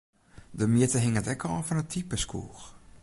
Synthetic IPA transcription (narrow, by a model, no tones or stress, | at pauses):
dəmjɪtəɦɪŋətɛkʰəɔ̰fɔnətʰipəskʰṵːx